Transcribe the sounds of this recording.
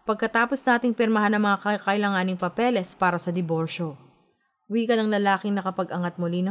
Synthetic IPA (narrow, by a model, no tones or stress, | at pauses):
pɐɡ̚kɐt̪aːpo̞snaːt̪ɪŋpɛɾmɐɦanɐŋmɐŋakɐkɐʔɪlɐŋaːnɪŋpɐpɛlɛspaːɾɐsɐd̪ɪbo̞ɾʃo̞ | wikɐnɐŋlɐlaːkɪŋnɐkɐpɐɡʔɐŋɐt̪̚mʊlinɐ